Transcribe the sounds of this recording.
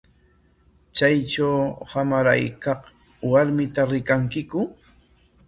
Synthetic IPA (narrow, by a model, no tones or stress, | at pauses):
t͡ʃajt͡ʃawhamaɾa̰jkɑχ | waɾmɪt̪aɾɪkaŋkɪkʊ